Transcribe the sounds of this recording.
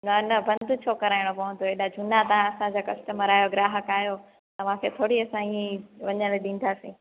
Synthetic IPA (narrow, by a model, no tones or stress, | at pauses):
nɐnɐbʱɐ̃nd̪ʱʊt͡ɕʰoːkɐɾaːɪɽ̃opɐʋə̃nd̪oeːɗad͡ʑʱʊnat̪ãɐsãd͡ʑakɐsʈəməɾaːjoɡɾaːɦəkaːjo | t̪ɐʋ̤ãkʰet̪ʰoːɽiɐsãĩʋɐɲə̃ɽɗĩːn̆d̪aːsḭ̃ː